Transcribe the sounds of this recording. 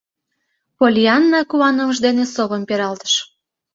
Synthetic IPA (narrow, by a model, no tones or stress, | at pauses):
polʲiɑnːɑkuɑnəməʒd̪enesoβəmpeɾɑlt̪ə̥ʃ